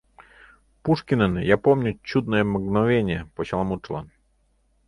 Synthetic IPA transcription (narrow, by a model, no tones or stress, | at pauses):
puʂkʲɪnənjapomnʲʊt͡ɕud̪̚nəjəməɡnɐvʲenʲɪjəpoɕɐlˠɐmut͡ʂlˠa̰n